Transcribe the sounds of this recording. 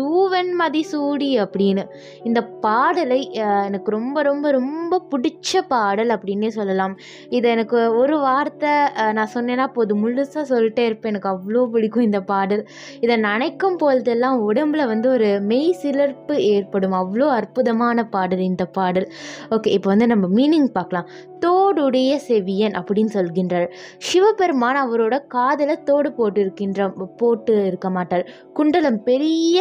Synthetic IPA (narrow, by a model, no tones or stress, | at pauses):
suːʋɛnmɐðisuːɽiɐpːɐɽɪnːɯ | ɪnd̪ɐpaːɽɐlɐɪɛnɐkːɯɾɔmbɐɾɔmbɐɾɔmbɐpʊɽɪt͡ʃːɐpaːɽɐlɐpːɐɽɪnːeːsɔlːɐlãːm | ɪðɛɛnɐkːɯɔɾɯʋaːɾt̪ːɐnãːsɔnːeːnːaːɪpːoɐðɯmʊɭːɯsaːsɔlːɪʈːeɪɾɯpːẽːɛnɐkːɯɐʋːɐɭoːp̬ɐɽɪkːʊ̃ɪnd̪ɐpaːɽɐl | ɪðɐnɐnɐɪkːɐmpoːlɐðɛlːãːʊɽɐmbɪlɐʋɐnd̪ɯɔɾɯmɛɪsɪlɐɾpɯeːrpɐɽɯmɐʋːɐɭoːɐɾpʊðɐmaːnɐpaːɽɐlɪnd̪ɐpaːɽɐloːkeːɪpːoːʋɐnd̪ɯnɐmːɐmiːnɪŋɡpaːɾkɐlãːm | t̪oːɽɯɽɐjɐsɛʋɪjɐnʔɐpːɐɽɪnːɯsɔlɣɪndraːɾʂɪʋɐpɛɾmaːnɐʋɐɾoːɽɐkaːðɪlɐt̪oːɽɯpoːʈːɪɾɯkːɪndrɐpoːʈːɯɪɾɯkːɐmaːʈːaːɾ | kʊɳɖɐlɯmpɛɾɪjɐ